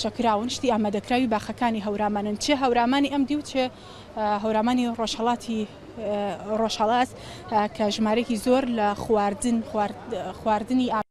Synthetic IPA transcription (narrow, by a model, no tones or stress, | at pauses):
t͡ʃɐkɨɾaːwɨnʃt̪iʔaːmaːd̪ɐkɾaːwibaːxɐkaːniɦɐwɾaːmaːnɨnt͡ʃeɦɐwɾaːmaːniʔɐmd̪iwt͡ʃe | ɦɐwɾaːmaːniroʃhɐlˠɑːt̪ʰi | roʃhɐlˠɑːt̪ | kʰɐʒɨmaːɾɐjekizoɾlɐxwaɾd̪ɨn | xwaːɾd̪ɨniʔa